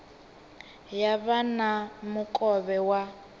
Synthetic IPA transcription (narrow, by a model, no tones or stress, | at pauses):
jaβanamʊkʼɔβɛwa